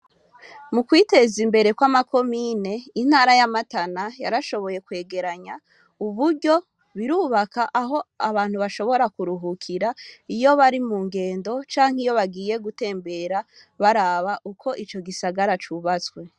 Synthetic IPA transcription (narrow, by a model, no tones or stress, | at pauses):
mukwiːte̞zimbe̞ɾe̞kwamako̞miːne̞in̥haːɾajamatanajaɾaʃo̞βo̞je̞kwe̞ːɡe̞ɾaɲa | uβuɾɟo̞ | βiɾuːβakaʔaɦo̞aβaːn̥huβaʃo̞βo̞ɾakuɾuɦukʰiɾaijo̞βaɾimuːŋɡe̞ːndo̞t͡ʃaːŋ̥ijo̞βaɡiːje̞ɡute̞ːmbe̞ɾa | βaɾaːβaʔukʰo̞ʔit͡ʃo̞ɡisaɡaɾat͡ʃuːβat͡skwe̞